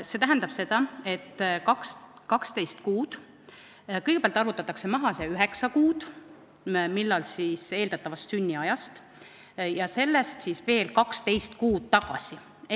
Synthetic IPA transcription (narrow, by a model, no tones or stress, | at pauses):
se̞t̪æɦænd̪ɑb̥se̞d̪̥ɑe̞t̪ːkɑkskɑkst̪e̞jst̪kuːd̪̥ | kɤjɡepæɑlt̪ɑrvut̪ːˑɑt̪ːˑɑkse̞mɑɦɑseyɦe̞ksɑkuːd̪̥ | milːɑlsise̞ːld̪̥ɑt̪ːˑɑvɑst̪synʲːiɑjɑst̪ | jɑse̞lːest̪siːsve̞ːlkɑkst̪e̞jst̪kuːd̪̥̚t̪ɑɡ̥ɑ̰si